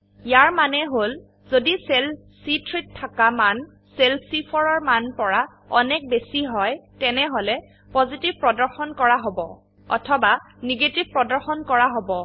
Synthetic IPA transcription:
jaɹmanɛɦol | z̥odisel | sitʰɹitʰːakaman | selpʰsipʰɔɹɔɹmanpɔɹa | ɔnɛk̚besiɦɔjtɛnɛɦolɛ | pɔzitibpɹɔdɔɹxɔnkɔɹaɦobɔ̰ | ɔ̰tʰɔba | niɡetibpɹɔdɔɹxɔnkɔɹaɦobɔ

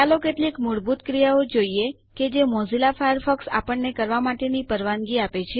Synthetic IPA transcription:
alokeʈlikmʊɽbut̪kɾijaod͡ʒoie | ked͡ʒemɔzilafajəɾfəksa̰pəɳnekəɾʋamaʈenipəɾʋanɡiapet͡ʃʰe

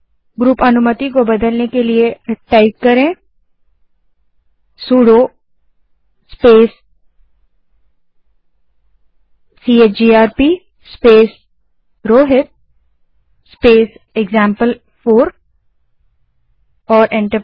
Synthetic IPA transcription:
ɡɾuːpɐnʊmət̪ikobɐd̪əlnekelieʈaɪkkɐɾẽː | suːɽo | speːs | iːeːt͡ʃd͡ʒiːaːɾpiː | speːs | ɾoːɦɪt̪̚ | speːseɡzãːmpəl | foːɾ | ɔːɾɛ̃ɳʈə

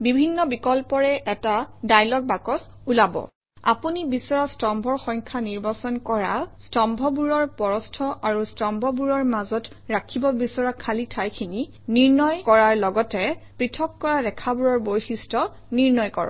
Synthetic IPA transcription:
bibʱinːɔbikɔlpɔɹɛʔɛtadajlɔk̚bakɔs | ulabɔ̰ | a̰punibisɔɹɔstɔmbʱɔɹxɔŋkʰaniɹbasɔnkɔɹastɔmbʱɔbuɹɔɹpɔɹɔstʰɔʔaɹustɔmbʱɔbuɹɔɹmazɔt | ɹakʰibɔbisɔɹakʰalitʰajkʰini | niɹnɔjkɔɹaɹlɔɡɔtɛpɹitʰɔkːɔɹadɛkʰabuɹɔɹbojxistɔ | niɹnɔjkɔ̰ɹɔ̰

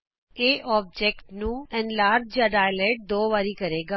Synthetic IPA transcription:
eːʔʔɔːb̚d͡ʒɛːkʈnũːɛ̃nlaːɾd͡ʒjaːɖaːjəleːʈ̚d̪oːʋaːɾiːkəɾeːɡaː

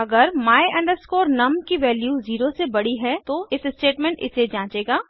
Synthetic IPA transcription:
ɐɡəɾmaːeʔɛ̃ːɳɖəskoːɾnɐmkiʋɛːljuːziːɾosebɐɽiɦɛt̪oɪsɪsʈeːʈmẽɳʈɪ̰sed͡ʒãːt͡ʃeːɡaː

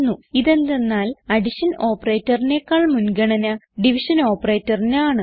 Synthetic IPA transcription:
nːuiðend̪enːaːlɐɖiɕɐno̞ːpːɐreːtːɐrine̞ːkːaːɭmunɡɐɳɐnɐɖiʋiɕɐno̞ːpːɐreːtːɐrinaːɳɨ

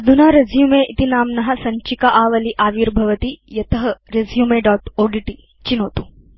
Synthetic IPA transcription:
ɐd̪ʱunaːɾɐzjumeːʔit̪inaːmnɐɦɐ̆sɐɲt͡ʃikɐʔaːʋɐliʔaːʋiːɾbʱɐʋɐt̪ijɐt̪ɐɦɐɾezjumeːɖaːʈoːɖiʈi | t͡ʃinoːt̪u̥

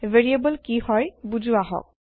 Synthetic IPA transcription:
veɹiebɔlkihɔjbuzuaɦɔ̰k̚

